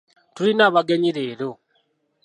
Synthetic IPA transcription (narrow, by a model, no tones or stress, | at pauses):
tuɾinaβaɡeɲiɾeɾo